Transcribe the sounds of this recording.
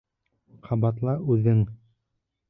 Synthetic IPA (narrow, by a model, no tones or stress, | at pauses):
qʰɑbɑt̪lˠɑʔʉðɘŋ